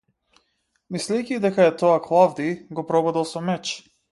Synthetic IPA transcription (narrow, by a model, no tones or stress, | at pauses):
mislɛjcid̪ɛkaɛt̪ɔaklˠavd̪iɡɔpɾɔbɔd̪ɛlˠsɔmɛt͡ʃ